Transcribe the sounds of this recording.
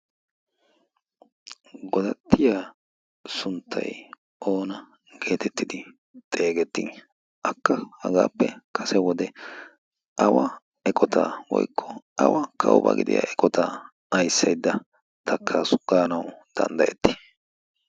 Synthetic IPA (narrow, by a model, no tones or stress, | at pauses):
ɡɔd̪ɐt̪ʰːɪja | sʊnt̪ʰːɐ̰j | ʔo̞ːnɐ | ɡe̞ːt̪ʰɛt̪ːɪd̪ɪ | t̪ʼe̞ːɡɛt̪ːɪn | ʔɐkːɐhɐɡaːpːɛkʰɐsɛwɔd̪ɛ | ʔɐwɐ | ɛkʼɔt̪ʰaːwɔ̰jkʰːɔɐwɐkʰɐwʊ̰bɐ̰ɡɪd̪ɪ̰ja̰ʔɛkʼɔt̪a | ɐjsːɐjd̪ːɐ | t̪ʰɐkʰːaːsʊ̥ɡ̥aːnɐwd̪̥ɐ̰nd̪ɐʔɛt̪ːɪ̥